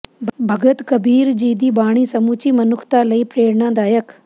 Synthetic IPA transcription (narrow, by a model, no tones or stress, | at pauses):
bʱəɡət̪kəbiːɾd͡ʒiːd̪iːbaːɽ̃iːsəmuːt͡ʃiːmənʊkʰt̪aːləiːpʰɾeːɽnãːd̪aːjək